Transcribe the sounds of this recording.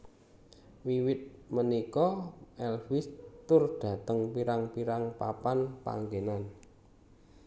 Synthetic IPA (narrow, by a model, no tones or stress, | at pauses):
wiwɪt̪̚mənikɔʔɛlwɪst̪ʊrd̥ä̤t̪əŋpiɾaŋpiɾaŋpapanpa̰ŋɡenan